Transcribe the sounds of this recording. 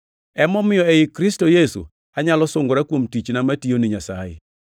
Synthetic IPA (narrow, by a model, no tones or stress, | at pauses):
ɛmɔmɪjɔɛɪkɾɪstojesṵ | aɲalɔsoŋɡoɾakwomtit͡ʃnamationɪɲasa̰jɛ̰